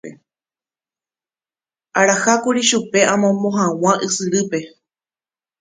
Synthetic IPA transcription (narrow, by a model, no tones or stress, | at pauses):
e | aɾahakuɾiʃupe̞ʔãmõmõɦãw̃ãʔɨsɨɾɨpe̞